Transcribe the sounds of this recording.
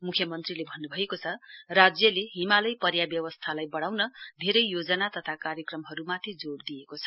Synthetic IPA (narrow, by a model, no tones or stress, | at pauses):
mukʰjʌmʌnt̪rilebʱʌnːubʱʌekot͡sʰʌrad͡zjʌleɦimalʌjpʌrjabjʌwʌst̪ʰalajbʌɽawnʌd̪ʱeɾʌjjod͡zʌnat̪ʌt̪ʰakaɾjʌkrʌmɦʌɾumat̪ʰid͡zoɽd̪ijekot͡sʰʌ